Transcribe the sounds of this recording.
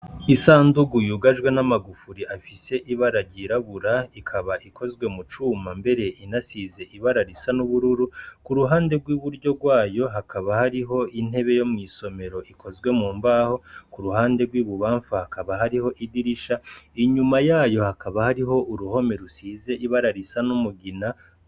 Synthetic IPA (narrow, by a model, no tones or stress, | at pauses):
isaːnduɡujuɡaʒɡwe̞namaɡufuɾiʔafise̞ʔiβaɾaɟiɾaβuɾaikʰaβaʔikʰo̞zɡwe̞mut͡ʃumambe̞ɾe̞ʔinasize̞ʔiβaɾaɾisanuβuɾuɾukuɾuɦaːnde̞ɡwiβuɾɟo̞ɡwaːjo̞ɦakʰaβahaɾiɦo̞in̥e̞βe̞jo̞mŋiːso̞me̞ɾo̞ʔikʰo̞zɡwe̞muːmbaːho̞kuɾuhaːnde̞ɡwiːβuβaːɱfahakaβaɦaɾiho̞ʔidiɾiʃaiɲumajaːjo̞hakaβahaɾiɦo̞ʔuɾuho̞me̞ɾusiːze̞ʔiβaɾaɾisanumuɡina